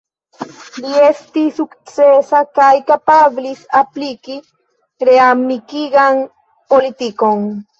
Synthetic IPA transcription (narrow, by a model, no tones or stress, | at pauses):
liest̪isukt͡sesakajkapablisapliki | ɾeamnikiɡaŋ | polit̪ikoŋ